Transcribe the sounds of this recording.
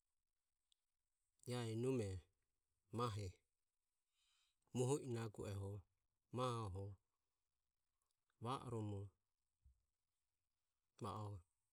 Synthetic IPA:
jaɛnumɛ | maɦɛ | muɦɔʔinaɡṵʔɛɦɔ | mahaɔɦɔ | βaʔɔ̰ɾɔmu | βa̰ʔɔ

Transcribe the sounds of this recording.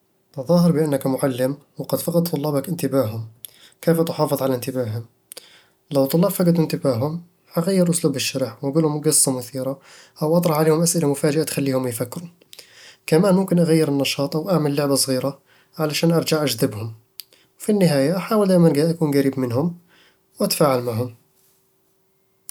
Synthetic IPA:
ʔ̪ɑðˤɑːɦɑɾˤbɪʔanːakmʊʕalːɪm | wɑqɑd̪fɑqɑt̪̚ˤt̪ˤːʊlːɑːbakʔɪnt̪ɪbaːɦʊm | keːft̪ʊħɑːfɨðˤʕalant̪ɪbaːɦʊm | lawt̪ˤʊlːɑːbfaɡɪd̪ɪnt̪ɪbaːɦʊm | ʔaɣajːɪɾʔʊsluːbɪʃːaɾɪħwʔaɡuːlhʊmɡɨsˤːɑmʊθiːɾa | ʔawʔɑt̪ˤɾˤɑħʕaleːhʊmʔasʔɪlamʊfaːd͡ʒɪʔat̪xalːiːhʊmjfakːɪɾu | kamaːnmʊmkɪnʔaɣajːɪɾɪnːɑʃɑːt̪ˤʔawʔaʕmalːʊʕbasˤɣiːɾa | ʕalaʃaːnʔɑɾˤd͡ʒaʕʔad͡ʒðɪbhʊm | wfinːɪɦaːjaʔaħaːwɪld̪aːjmanɡaʔakuːnɡaɾiːbmɪnhʊm | wʔat̪ḁfaːʕalmaʕɦʊm

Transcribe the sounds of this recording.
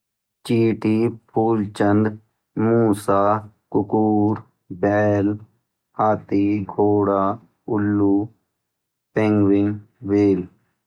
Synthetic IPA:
t͡ʃiːʈiːpʰuːlt͡ʃənd̪ | muːsaː | kʊkuːɾ | bɛːl | haːt̪iːɡʱoːɽaː | ʊlːuː | pẽŋɡwɪŋʋeːl

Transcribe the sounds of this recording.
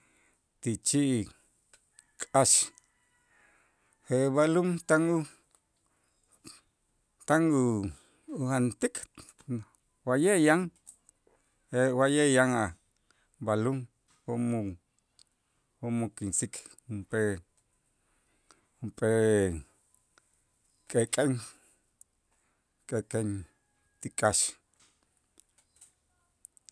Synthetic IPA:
t̪it͡ʃiʔ | kʼaʃ | heβalumt̪aŋu | t̪aŋu | uant̪ikʰʼ | wajejaŋ | ewajejaŋa | baluŋ | homu | homukinsik | umpe | umpʼe | kʼekʼeŋ | kʼekʼen | t̪ikʼaʃ

